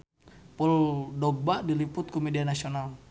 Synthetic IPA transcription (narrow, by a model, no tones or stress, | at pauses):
pɔldɔɡ̚badilipʊt̪̚kɔmɛdianasional